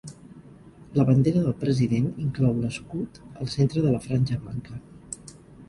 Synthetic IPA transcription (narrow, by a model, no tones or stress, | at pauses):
ləβənd̪eɾəðəlˠpɾəziðeniŋklɔwnəskut̪əlˠsent̪ɾəðələfɾanʲʒəmaŋkə